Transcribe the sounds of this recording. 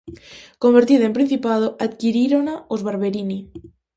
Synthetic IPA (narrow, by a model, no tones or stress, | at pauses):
kombeɾt̪iðaempɾin̟θipað̞oʔat̪kiɾiɾonaozβaɾβeɾini